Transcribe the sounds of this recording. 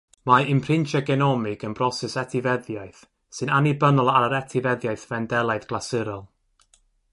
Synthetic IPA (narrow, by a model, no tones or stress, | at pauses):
maɪmpʰrɪnt͡ʃʰaɡɛnɔmɪɡənbrɔsɛsɛtʰɪvɛðjajθ | sɨnanibənɔlˠaəɾɛtʰɪvɛðjajθvɛndɛlˠajðɡlˠasɪɾɔlˠ